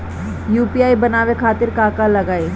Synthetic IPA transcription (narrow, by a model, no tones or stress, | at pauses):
juːpiaːibɐnaːʋekʰaːt̪ɪɾkaːkalɐɡaːe